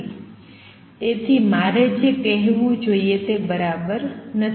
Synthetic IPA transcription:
t̪et̪ʰimaɾed͡ʒekəɦʋũd͡ʒoiet̪ebəɾabəɾnə

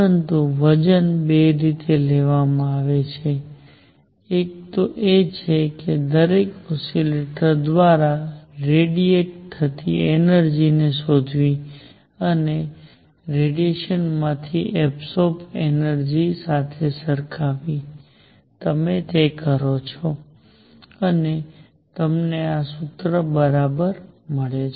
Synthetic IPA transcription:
ɾənt̪uʋəd͡ʒənbeɾit̪eleʋamãaʋet͡ʃʰe | ek̚t̪oʔet͡ʃʰeked̪əɾekɔsileʈəɾd̪ʋaɾaɾeɖieʈ̚t̪ʰːət̪ienəɾd͡ʒinesod̪ʱʋi | əne | ɾeɖieʃənmãt̪ʰiʔɛpsopʰenəɾd͡ʒisat̪ʰesəɾkʰaʋi | t̪əmet̪ekəɾot͡ʃʰɔ | əne | t̪əmneasʊt̪ɾəbəɾabəɾməɭet͡ʃ

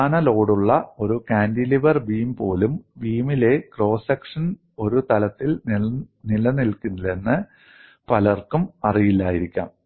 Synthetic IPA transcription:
aːɳɐlo̞ːɽuɭːɐo̞ɾukaːndiliʋɐrbiːmpo̞ːlumbiːmile̞kro̞ːsɐkʂɐn | o̞ɾut̪ɐlɐt̪ːilnilɐnilkunːile̞nːɨ | pɐlɐrkumɐrijilːaːjiɾikʲːa̰ːm

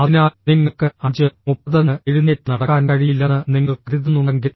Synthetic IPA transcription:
ɐðinaːniŋːɐkːɨɐɲd͡ʑɨmupːɐðɐneɻuneːtːnɐɽɐkːaːnkɐɻijilːɐnːɨniŋːɐɭkriðɐnuɐŋɡi

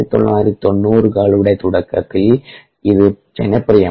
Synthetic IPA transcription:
it̪ɔ̰lːa̰ːɾt̪ɔnːuːɾɯkaːɭɯʋɪɽɐɪt̪ʊɽɐkːɐ̰kːɪl | ɪðɯ | t͡ʃɛnːɐpːɪɾɐjɐ

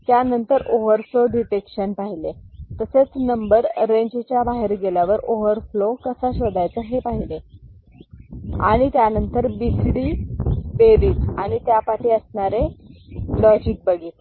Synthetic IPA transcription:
t̪janənt̪əɾoʋəɾfloɖiʈekɕənpaɦilet̪əset͡snəmbəɾːeɲd͡ʑet͡ɕjabaɦeɾɡeljaʋəɾoʋəɾflokəsaɕəd̪ajt͡səɦepaɦile | a̰ɽ̃it̪janənt̪əɾbisɽiːbeɾiːt̪aɽ̃it̪japaʈiːəsɳaɾe | lɔd͡ʑik̚bəɡiːt̪

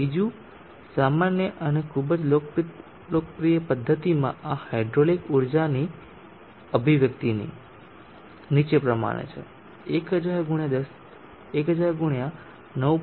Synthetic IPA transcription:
id͡ʒu | samanjəʔənekʰubd͡ʒlopɾ | lokəpɾijəpəd̪ʱːət̪imã̰ʔahajɖɾolikuɾd͡ʒani | əbʱiʋjəkt̪inḭ | nit͡ʃepɾəma̰ɽ̃ḛt͡ʃʰḛ | ekəd͡ʒaɾɡuɽ̃jad̪əs | ekɦəd͡ʒaɾɡuɳ̃ijã | nəʋ

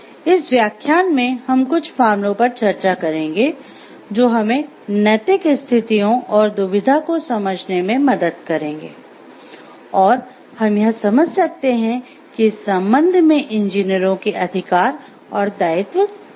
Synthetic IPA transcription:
ɪsʋjaːkʰjaːnmẽhɐmkʊt͡ʃʰpʰaːɾmlõpɐɾt͡ʃɐɾt͡ʃakɐɾẽːŋ̆ɡe | d͡ʒoːɦɐmẽ | nɐt̪ɪkst̪ʰɪt̪ijõʔɔːɾd̪ʊʋɪd̪ʱakosɐməd͡ʒʱnemẽmɐd̪əd̪kɐɾẽːŋɡḛː | ɔːɾ | hɐmjɐɦsɐməd͡ʒʱsɐk̚t̪eɦɛ̃ | kisɐ̃mbə̃nd̪ʱmẽʔɪ̃nd͡ʒiːnijəɾõkeʔɐd̪ʱɪkaːɾ | ɔːɾd̪aːɪt̪ʋək

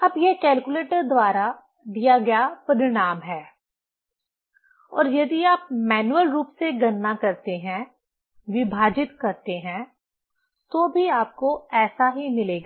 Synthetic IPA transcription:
ɐbjekɛːlkuleːʈəɾd̪waːɾa | d̪ijaɡɐjapɐɾɪɽ̃aːmɦɛː | ɔ̰ːɾjɐd̪iaːp̚mɛːnuwəlɾuːpseɡɐnːakɐɾt̪eɦɛ̃ | ʋɪbʱaːd͡ʒɪt̪kɐɾt̪eɦɛ̃ | t̪obʱiaːp̚koɛːsaɦimɪleːɡaː

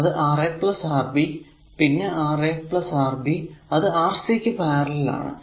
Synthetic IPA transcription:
ɐðɨʔaːreːkpɭɐsaːrbi | pinːe̞ʔaːreːk̚pɭɐsaːrbiɐðɨaːrsekʲːɨpaːrɐlila̰ːɳɨ̰

